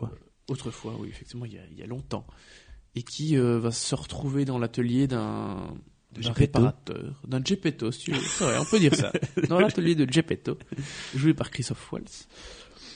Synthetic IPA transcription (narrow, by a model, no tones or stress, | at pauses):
a | ot̪χəfwa̰wḭefɛk̚t̪ivmɑ̃ilja̰ḭlja̰lɔ̃t̪ɑ̰̃ekʲʰiøvasəʁət̪χuved̪ɑ̃lat̪əljed̪ɛ̃ | d̪ɛ̃ʁepaʁat̪œ̰ːʁd̪ɛ̃ʒepet̪ost̪yvø̰sɛvʁɛ̰ɔ̰̃pød̪iʁsa̰d̪ɑ̃lat̪əljed̪əʒepet̪oʒuepaʁkχist̪ɔfwa̰ls